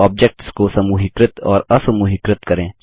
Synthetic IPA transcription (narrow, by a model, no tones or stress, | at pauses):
ɔːb̚d͡ʒek̚ʈskosɐmuɦɪkɾət̪ɔːɾɐsɐmuɦɪkɾət̪kɐɾẽː